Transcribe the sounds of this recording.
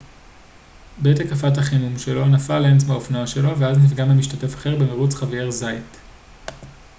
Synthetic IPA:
betakafat̬haχinumʃeloanafalemt͡smeaofnoaʃelo̞veaznitɡamamiʃtate̞fḁχeʁbemeʁut͡sχavieʁzajt

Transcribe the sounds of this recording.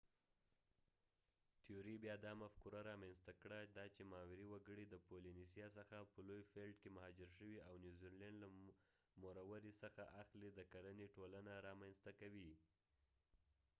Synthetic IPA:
t̪ioɾibjɑd̪ɑmafkuɾaɾɑmanst̪akɽad̪ɑt͡ʃemɑwɪɾiwaɡəɽid̪əpolinisjɑs̬əxapəlojfelɖkemahɑd͡ʒɪɾʃəwiawnjuziɾlanɖla | moɾawaɾisəxa̰ʔaxlid̪əkaɾəneʈolanaɾɑmanst̪akawi

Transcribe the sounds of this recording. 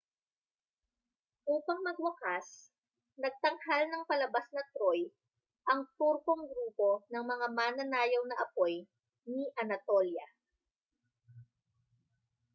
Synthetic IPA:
ʔuːpɐŋmɐɡ̚wɐkas | nɐɡ̚t̪ɐŋhalnɐŋpɐlɐbasnɐt̪ɾoj | ʔɐŋt̪uɾkoŋɡɾuːpo̞nɐŋmɐŋamaːnɐnaːjɐwnɐʔɐpo̞j | niʔɐnɐt̪oljɐ

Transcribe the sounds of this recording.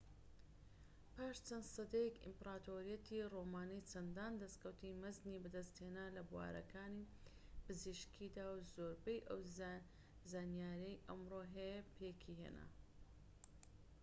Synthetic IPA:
paːʃt͡sɐnsɨd̪ejɛkḭmpɾaːt̪oɾijɐt̪ʰiromaːnit͡ʃʰɐnd̪aːnd̪ɐst̪kɐwt̪imɐznibɨd̪ɐst̪heːnaːlɐbuwa̰ːɾɐkʰaːni | pɨziʃkʰid̪aːwzoːɾbejʔɐw | zaːnjaːɾejʔɐmɾoɦejpʰeːkʰiɦḛna̰

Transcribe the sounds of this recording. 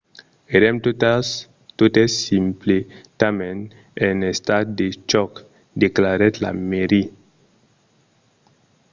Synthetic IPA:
eɾɛmt | t̪ot̪esimplet̪amẽn | enest̪at̪̚d̪et͡ʃɔk | deklaɾɛt̪la̰meɾi

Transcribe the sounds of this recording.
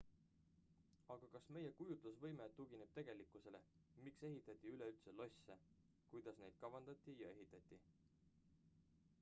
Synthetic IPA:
ɑɡ̥ɑkɑsme̞je̞kujut̪lusvɤ̞jmeuɡineb̥̚t̪e̞ɡ̥e̞likːˑuse̞le̞mikse̞ɦit̪ːˑɑt̪ʲːˑiyleylt̪selo̞sʲːe | kujd̪̥ɑsne̞jd̪̥̚kɑvɑnd̪̥ɑt̪ʲːˑijɑ̰e̞ɦit̪ːˑɑt̪ʲˑːi

